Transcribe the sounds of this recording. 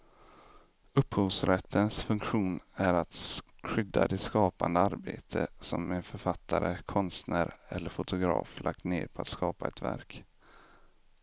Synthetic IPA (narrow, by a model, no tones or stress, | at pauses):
ɵphuːvsɾɛt̪ʰːənsfɵŋkɧuːnæɾat̪ɧʏd̪ːa̰d̪ɪskɑːpand̪əaɾbeːt̪ʰəsɔmɛnfœɾfat̪ʰːaɾəkʰɔnst̪næːɾɛlːəɾfʊt̪ʊɡɾɑ̰ːflʔak̚t̪nḛːɾpʰɔat̪skɑːpaɛt̪væ̰ɾk